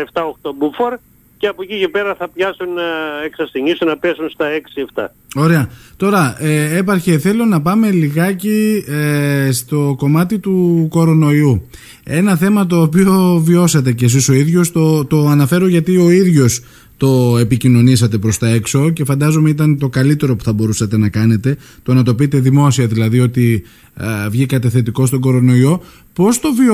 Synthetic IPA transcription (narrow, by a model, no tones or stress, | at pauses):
ɐeft̪ɐoxt̪o̞bufoɾ | ceɐpocice̞peɾɐθɐpçɐsuneksɐst̪iɲisunɐpesunst̪ɐe̞ksie̞ft̪ɐ̰ | o̞ɾe̞ɐt̪o̞ɾɐee̞pɐɾçeθe̞lo̞nɐpɐme̞liɣɐci | st̪o̞ko̞mɐt̪it̪uko̞ɾo̞no̞iu | e̞nɐθe̞mɐt̪o̞ːpio̞vio̞sɐt̪̬e̞ces̬iso̞iðʝo̞st̪ot̪o̞ɐnɐfe̞ɾoʝɐt̪io̞iðʝo̞s | t̪o̞e̞picino̞nisɐt̪e̞pɾo̞st̪ɐe̞kso̞ce̞fɐnd̪ɐzo̞meit̪ɐnt̪o̞kɐlit̪e̞ɾo̞pu̥θɐbo̞ɾusɐt̪e̞nɐkɐne̞t̪e̞ | t̪o̞nɐt̪o̞pit̪e̞ðimo̞siɐðilɐðio̞t̪i | vʝikɐt̪ɐθe̞t̪iko̞st̪o̞ɡo̞ɾo̞no̞io̞ | po̞st̪o̞v